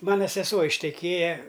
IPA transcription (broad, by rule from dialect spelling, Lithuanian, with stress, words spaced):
ˈmɑːnɐ sʲɛˈsuɔ ɪʃʲtʲɛˈkʲeːjɛ